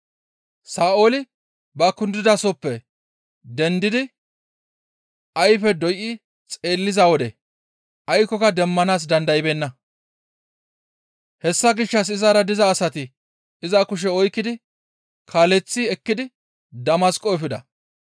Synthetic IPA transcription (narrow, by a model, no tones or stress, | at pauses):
saːoːlɪ | bɐkʊnd̪ɪd̪ɐsɔpːɛ | d̪ɛnd̪ɪd̪ɪ | ɐjfɛd̪ɔjʔɪ | t͡sʼe̞ːlːɪzawɔd̪ɛ | ʔɐjkːɔkɐd̪ɛmːɐnaːs̬d̪ɐnd̪ɐɪbeːnːɐ | hɛsːɐɡɪʃːɐs̬ɪzaːɾɐd̪ɪzɐːsɐt̪ɪ | ɪzɐkʊʃ̬ɛɔjkːɪd̪ɪ | kʰaːlɛt͡sːɪɛkːɪd̪ɪ | d̪ɐmɐskʼːɔɛfɪd̪ɐ̰